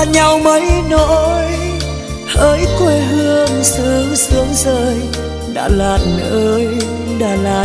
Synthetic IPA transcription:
ɲa˨˩wmə˨˦jnɔ˧˥˦j | ʔəː˨˦jkwe˧˩ɦɨ˧əŋsɨ˨˦ŋsɨ˨˦əŋzəː˧˩j | ɗa̰ː˧˥laː˨˩nʔəː˨˧˦j | ɗaː˧˩laː˨˩

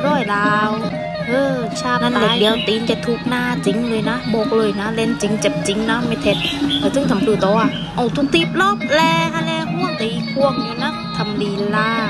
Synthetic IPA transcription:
ɾɔː˧˩jlaː˨˧w | ʔɤː˧˩ | sʰaː˧˩a˧˩˨di˨˦ə˨wt̪iː˨˦nka˨˧˩t̪ʰu˧k̚naː˧˩t͡ɕi˨˦ŋləː˨jna˨˧˥bɔː˨˩k̚lɤː˧˩jnaː˧˥le˧nt͡ɕi˨˦ŋt͡ɕa˨˧˩p̚t͡ɕi˨˦ŋnaː˧˥ma˧˩jt̪ʰe˨˩t̪̚kaː˨˧˩t̪ɨ˧˥ŋt̪a˨˦mfɯː˧˩t̪ɔː˧˩ʔa˧˩ | ʔa˧˩wt̪ʰu˧k̚t̪i˧p̚lɔ˦˥p̚lɛː˧ha˧lɛː˧hu˧˥ə˨mt̪a˨ʔi˧kʰu˧əŋ̚ɲi˧naː˧˥˨t̪ʰa˨˩mdiː˧˩laː˧˩

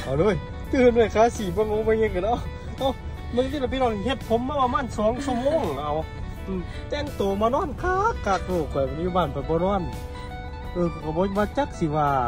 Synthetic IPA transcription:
ʔa˨˩loː˧˥˨j | t̪ɯː˧˩˨nda˧˩˨kʰaː˧˥˨siː˨˩bɔ˧˨ŋoː˧˨ma˧˨ŋɯ˧ŋka˧˨nʔa˧˨ | ʔa˧˨w | mɯ˧˨ŋt̪i˧˨a˧˩p̬i˧nɔː˧˩ni˧he˧t̪̚pʰo˨˧˦mːaː˧paː˧maː˧˥˨nsɔː˨˦ŋsu˧˨moː˧˥˨ŋ˧ʔa˧˨w | ɯː˧˩ | t̪ɛ˧˨ŋt̪oː˨maː˧˨nɔː˧˥˨nkʰaː˧kːaː˧˩k̚loː˧˩kʰɔ˨˩ja˨juː˧baː˧˨npa˨˩bɔː˧˦nɔː˧˥˩n | ʔɯː˧˩ka˧˩ka˧˩bɔː˧˦˧baː˧t͡ɕa˧˥k̚si˧waː˧

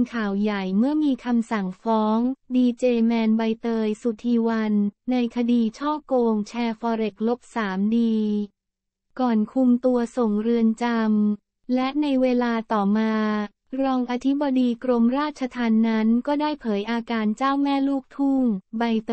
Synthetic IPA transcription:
nkʰaː˨˩wja˨˩jmɯ˥˩ɐmiː˧kʰa˧msa˨˩ŋfɔː˦˥ŋdiː˧t͡ɕeː˧mɛː˧nba˧jt̪ɤː˧jsu˨˩t̪ʰiː˧wa˧nːa˧jkʰa˧diː˧t͡ɕʰɔː˥˩koː˧ŋt͡ɕʰɛː˧fɔː˧ɾe˨˩k̚lo˦˥p̚saː˩˦mdiː˧ | kɔː˨˩nkʰu˧mt̪u˧ɐso˨˩ŋɾɯ˧ənt͡ɕa˧m | lɛ˦˥ʔna˧jweː˧laː˧t̪ɔː˨˩maː˧ | ɾɔː˧ŋʔa˧t̪ʰi˦˥bɔː˧diː˧kɾo˧mɾaː˥˩t̪̚t͡ɕʰa˧t̪ʰaː˧nːa˦˥nkɔː˥˩daː˥˩jpʰɤː˩˦jʔaː˧kaː˧nt͡ɕaː˥˩wmɛː˥˩luː˥˩k̚t̪ʰu˥˩ŋba˧jt̪

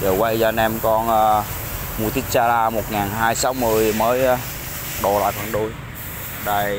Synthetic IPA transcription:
zəː˨˩wa˧jzɔː˧nʔɛ˧mkɔ˧nʔəː˧ | mu˧t̪i˦˥k̚t͡ɕaː˧laː˧mo˨˩t̚ŋaː˨˩nɦaː˧jsa˨˦wmɨ˧˩əjməː˨˦j | ɗo˧˨˩la̰ː˧˨jfə˨˩nɗu˧j | ɗaː˧˩j

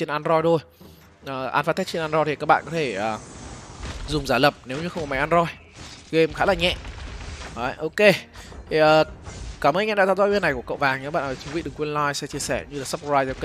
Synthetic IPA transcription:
t͡ɕe˧nʔaː˧nzɔ˧jt̪ʰo˧j | ʔəː˨˩ʔa̰ː˧nfa˧t̪ɛ˦˥t͡ɕe˧nʔaː˧nzɔ˧jt̪ʰi˨˩ka˦˥k̚ɓa̰ː˧˨kɔ˨˦t̪ʰe˧˩ʔəː˨˩ | zʊ˨˩ŋ͡mzaː˧˩lə˨˩p̚ne˨˦wɲɨ˧xə˧wŋ͡mkɔ˨˩ma˨˦jʔaː˧zɔ˧j | ɣe˧mxaː˨˦laː˨˩ɲɛ̰˧˨ʔ | aː˨˧˦ʔo˧ke˧t̪ʰi˨˩ʔəː˨˩kaː˧˩məː˨˧˦nɲɛ̰˧˨ɗa̰˧˥t̪aː˧˨zɔː˧˦vwnːa˨˩jku˧˩əkə̰˧˨wvaː˨˩ŋɲa˨˦ɓa̰ː˧˨nʔəː˨˩t͡ɕu˨˦vḭ˧˨ɗɨ˨˩ŋkːwi˧nlaː˧jsɛ̰˧˥t͡ɕi˧əsɛ˧˩ɲɨ˧laː˨˩sp̚vaː˧jzə˧k

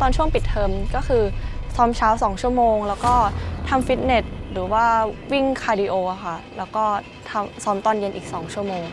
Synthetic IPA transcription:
t̪ɔː˧nt͡ɕʰu˥˩əŋpi˨˩t̪ʰːɤː˧mkɔː˥˩kʰɯː˧sɔː˦˥mt͡ɕʰaː˦˥wsɔː˩˦ŋt͡ɕʰu˥˩əmoː˧ŋlɛː˦˥wkɔː˥˩t̪ʰa˧mfi˦˥t̪̚ne˨˩t̪̚ɾɯː˩˦waː˥˩wi˥˩ŋkʰaː˧diː˧ʔoː˧ʔa˨˩xʰa˥˩lɛː˦˥wkɔː˥˩ | t̪ʰa˧msɔː˦˥mt̪ɔː˥˩nje˧nʔiː˨˩k̚sɔː˩˦ŋt͡ɕʰu˥˩əmoː˧ŋ

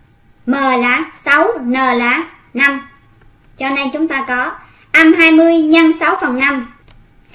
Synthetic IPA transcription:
məː˨˩laː˧˨˥sa˨˦wnəː˨˩la̰ː˧˩˦ | na˧m | t͡ɕɔ˧ne˧jt͡ɕʊ˨˦ŋ͡mt̪aː˧kɔ˨˦ | ʔa˧mɦaː˧jmɨ˧əjɲa˧nsa˨˦wfə˨˩nːa˧m

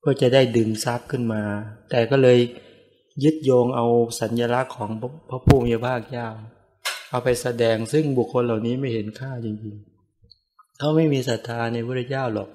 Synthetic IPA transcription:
kɔː˧˩t͡ɕa˨˩da˥˩jdɯː˨˩ŋsa˦˥˩p̚kʰɯ˥˩nmaː˧t̪ɛː˨˩kɔː˥˩lɤː˧j | jɯ˦˥t̪̚joː˧ŋʔa˧wsa˨˦njaː˧la˦˥kʰːɔː˩˦ŋʰ˧pʰa˦˧˥pʰuː˥˩miː˧pʰaː˥˩k̚t͡ɕaː˥˩w | ʔa˧wpa˧jsa˧dɛː˧ŋsɯ˥˩ŋbu˨˩kʰːo˧nla˨˩wniː˦˥ma˥˩jhe˨˦nkʰaː˥˩t͡ɕi˧ŋt͡ɕi˧ŋ | kʰa˦˥˩wma˥˩jmiː˧sa˨˦t̪ʰːaː˧na˧jpʰu˥˩t̪ʰa˧˩t͡ɕaː˥˩wlɔː˨˩k̚

